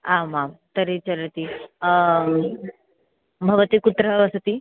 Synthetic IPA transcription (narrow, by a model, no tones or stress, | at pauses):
ãmamt̪əɾet͡ɕələt̪i | bʱəʋət̪iːkut̪ɾəʋəsət̪iː